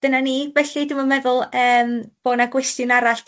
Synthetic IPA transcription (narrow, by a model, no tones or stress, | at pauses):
d̥ənanivɛɬidɪməmɛðʊlˠəːmb̥oːnaɡwɛstjʊnaɾaɬ